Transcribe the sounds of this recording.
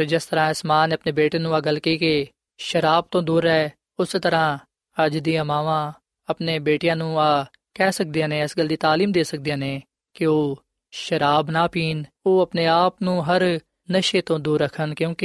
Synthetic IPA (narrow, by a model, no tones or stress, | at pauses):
ɾd͡ʒɪst̪əɾãːɪsmaːnəpneːbeːʈeːnũːaːɡəlkiːkeː | ʃəɾaːb̚t̪õːd̪uːɾɛː | ʊst̪əɾãː | əd͡ʒd̪ijãːmaːʋãː | əpneːbeːʈɪjãːnũːaː | kɛːsək̚d̪ɪjãːneːɪsɡəld̪iːt̪aːliːmd̪eːsək̚d̪ijãːneː | kɪoː | ʃəɾaːbnaːpiːn | oːəpneːaːpnũːɦəɾ | nəʃeːt̪õːd̪uːɾːəkʰənkjõːkɪ